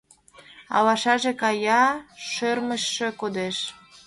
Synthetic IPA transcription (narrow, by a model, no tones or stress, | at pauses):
ɑ̰lɑʃɑʒekɑjɑʃørməʃːekod̪eʃ